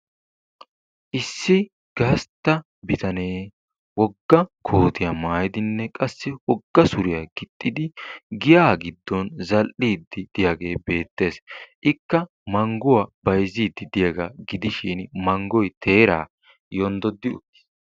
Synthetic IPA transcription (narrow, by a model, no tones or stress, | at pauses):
ʔɪsːɪ | ɡ̥ɐst̪ːɐ | bɪt̪ɐne̞ː | wɔɡːɐkʰoːt̪ɪjɐmaːjɪd̪ɪnːɛkʼɐsːɪwɔɡːɐsʊɾɪjɐɡ̥ɪt̪ʼːɪd̪ɪɡɪjaːɡɪd̪ːɔnzɐlʔiːd̪ːɪd̪̥ɪjaɡe̞ːbe̞ːt̪ːe̞ːsʔɪkːɐ | mɐŋɡʊwɐbɐjziːd̪ːɪd̪ɪjɐɡaɡɪd̪ɪʃiːnmɐŋɡɔjt̪ʰe̞ːɾa̰ː | jond̪ɔd̪ːɪʊt̪ːɪ̥s